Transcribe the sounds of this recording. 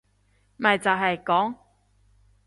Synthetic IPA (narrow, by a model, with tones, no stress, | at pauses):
mɐ˨jt͡sɐ˨˩ɦɐ˨jkɔː˨˥ŋ